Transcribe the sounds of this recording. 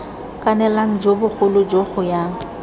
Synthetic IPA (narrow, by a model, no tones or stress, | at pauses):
kʼanɛlaŋ̩d͡ʒobʊk͡xʰʊlʊd͡ʒoχʊja